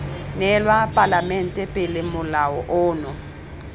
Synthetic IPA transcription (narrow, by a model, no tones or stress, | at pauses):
nɛlwapʼalamɛn̩tʼɛpʼɪlɪmʊlaɔʔʊːnɔ